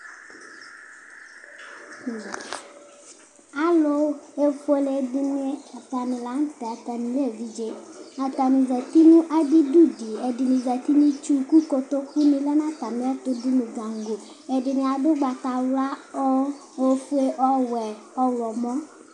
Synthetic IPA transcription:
a˨lo˦e˦fe˨˦le˨dɪ˦nɪ̃˦a˨t̪a˨nɪ̃˨la˨˦n̩˦t̪e˨a˨t̪a˨nĩ˨le˦˨vi˨d͡ʒe˦a˨t̪a˨nĩ˨zɛ˨t̪i˦nũ˦ʔa˨dɪ˦du˦di˨e˨dɪ˨nĩ˨zɛ˨t̪i˦nĩ˦t͡ʃu˦ku˦ko˨t̪o˦ku˦nĩ˨lɛ˦nã˦t̪a˨m˦ɛ˦t̪ʊ˦du˦mũ˨d͡za˨ŋ˦ɡo˨ | e˨dɪ˨nɪ̃˨a˨ɖʊ˦ɡ͡ba˨t̪a˨wla˦ɔ˦ | wo˨˦fu˦e˦ʔɔ˦wɛ˨ | ɔ˦wlɔ˨mɔ̃˦

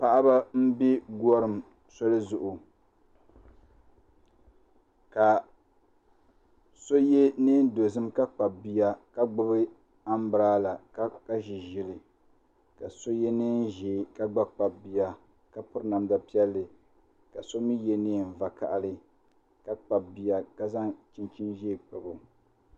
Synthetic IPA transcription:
pa˦ʔa˦ba˦m̩˦bi˦ɡu˦ɔ˦ɾɨ˨m | so˦lɨ˦zʊ˨ʔʊ˨ | ka˨ | so˦je˦nɪ˦n˦do˨zɨ˦mka˦k͡pa˨bi˦ja˦ka˦ɡ͡bʊ˦bɨ˦ | a˦m˦bɨ˨ɾaː˦la˨ka˦ka˦ʒi˨ʒɪ˦lɪ˨ | ka˨so˦je˦nɨ˦n˦ʒɛ˨˦˨ka˦ɡ͡ba˦k͡pa˨bi˨ja˦ | ka˦pʊ˦ɾna˨mda˨pi˦ɛ˦lːɨ˨ | ka˨so˦mi˦je˦nɪː˦˨n̩˨va˨ka̰˨ʔa˨lɨ˦ | ka˦k͡pa˨bi˨ja˨ka˦za˦t͡ʃi˦nt͡ʃi˦nʒe˦˨k͡pɨ˨bo˨

